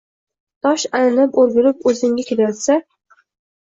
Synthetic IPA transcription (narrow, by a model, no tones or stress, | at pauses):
t̪ʰɒʃalɪnɪpoɾɡʲʊlɪp̚ɵzɪŋɡʲakʲʰelajɒt̪sa